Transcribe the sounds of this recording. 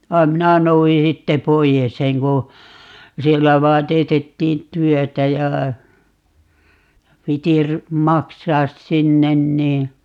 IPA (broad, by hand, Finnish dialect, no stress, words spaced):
ʋɑi̯m minæ nouji sitːe poijes seŋ ku sielːæ ʋɑːn teːtetːiːn tyøtæ jɑ piti ry mɑksɑːs sinːen niː